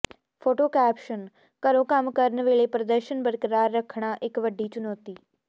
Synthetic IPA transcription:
pʰoːʈoːkɛːpʃən | kəɾõːkəmkəɾənʋeːɭeːpɾəd̪əɾʃənbəɾkəɾaːɾːəkʰɳaːʔɪkʋəɖiːt͡ʃʊnɔːt̪iː

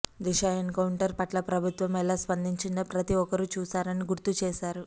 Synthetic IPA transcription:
d̪iɕaenkawɳʈəɾpɐʈlapɾɐbʱut̪ʋɐmalaspɐnd̪ʱiɲt͡ʃind̪apɾɐt̪iɔkɐɾut͡ʃuːsaɾɐniɡuɾt̪ut͡ʃeːsaɾ

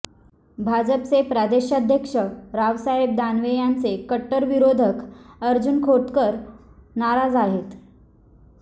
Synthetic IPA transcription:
bʱad͡ʑəpt͡sepɾad̪eɕad̪ʱjəkʂəɾaʋsaɦeb̚d̪anʋejant͡sekəʈːəɾʋiɾod̪ʱəkəɾd͡ʑunkʰoʈ̪kəɾnaɾad͡zaɦet̪

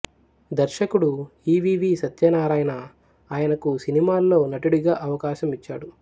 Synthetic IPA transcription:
d̪ɐɾʃɐkuɽuiːʋiːʋiːsɐt̪jɐːnaːɾaːjɐnɐ | aːjɐnɐkusinimaːlːo̞ːnɐʈiɽiɡaːʔɐʋɐkaːʃɐmit͡ʃːaːɽu

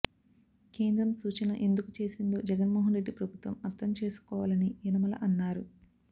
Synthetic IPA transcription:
keːnd̪ɾɐmsuːt͡ʃɐnɐ̰ʔe̞nd̪ukut͡ʃe̞ːsind̪o̞ːd͡ʒɛɡɐnmoːɦɐnɾe̞ɖːipɾɐbʱut̪ʋɐmɐɾt̪ʰɐmt͡ʃe̞ːsu̥kɔːʋaːlɐniinɐmɐlɐ̰ʔɐnːaːɾu

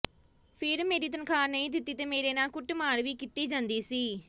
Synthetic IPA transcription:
pʰɪɾmeːɾiːt̪ənkʰaːɾnəĩːd̪ɪt̪ːiːt̪eːmeːɾeːnaːlkʊʈmaːɾʋiːkit̪iːd͡ʒãːnd̪iːsiː

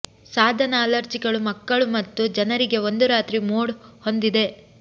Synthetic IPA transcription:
saːd̪ʱɐnɐːlɐɾt͡ʃiɡɐɭumɐkːɐɭumɐt̪ːud͡ʒɐnɐɾiɡe̞o̞nd̪uɾaːt̪ɾimoːɽho̞nd̪id̪e̞

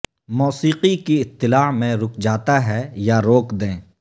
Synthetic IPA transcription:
moːsiːqikiɪt̪ːɪlaːmẽɾʊkʰd͡ʒaːt̪aɦɛjaɾoːkd̪ẽː

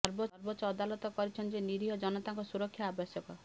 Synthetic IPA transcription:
ɔɾbɔɔɾbɔt͡ʃɔːd̪alɔt̪ɔkɔɾit͡ʃʰɔnd͡ʒeniɾiɦɔd͡ʒɔnɔt̪aŋkɔsuɾɔkʰːjaabjɔsjɔkɔ

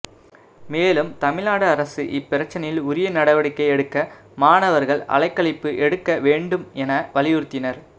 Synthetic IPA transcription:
meːlɯmt̪ɐmɪlnaːɽɯɐɾɐsɯʔɪpːɪɾɐt͡ʃːɐnɐjɪlʊɾɪjɐnɐɽɐʋɐɽɪkːɐɪɛɽɯkːɐ | maːɳɐʋɐɾɣɐɭɐ̰ɭɐɪkːɐɭɪpːɯʔɛɽɯkːɐʋeːɳɖɯmɛnɐʋɐlɪjʊɾt̪ːɪnɐɾ

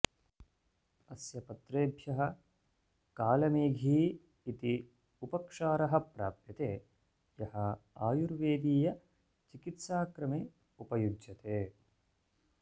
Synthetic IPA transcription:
ɐsjɐpɐt̪ɾeːbʱjɐɦɐ | kaːlɐmeːɡʱiː | it̪i | upɐkʂaːɾɐɦɐ̆pɾa̰ːp̚t̪jɐt̪eː | jɐhɐaːjuɾʋeːd̪iːjɐ | t͡ʃikit̪saːkɾɐmeː | upɐjud͡ʒjɐt̪eː

